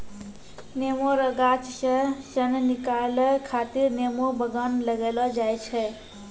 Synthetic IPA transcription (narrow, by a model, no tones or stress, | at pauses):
nemoɾəɡat͡ʃsə̃sənnikaləkʰat̪iɾnemobəɡənləɡelɔd͡ʒajt͡ʃʰɛ